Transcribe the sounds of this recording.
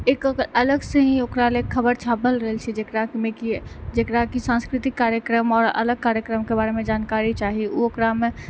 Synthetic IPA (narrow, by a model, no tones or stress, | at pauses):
eːkələɡseɦĩokɾaleːkʰːəbəɾt͡ʃʰaːpəlɾəɦəlt͡ʃʰid͡ʒekɾamẽkid͡ʒekɾakisãnskɾit̪ikːaːɾjəkɾəmɔːɾə̰ləɡ̚kaːɾjəkɾəmkebaɾemẽd͡ʒaːnkaɾit͡ʃaɦiuokɾamẽ